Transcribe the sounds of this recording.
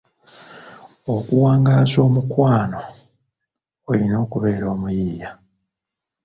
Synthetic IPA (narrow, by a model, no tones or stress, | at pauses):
okuwaːŋɡaːzo̞ːmukwaːno̞ | lino̞ːkuβe̞ːɾo̞ːmujiːja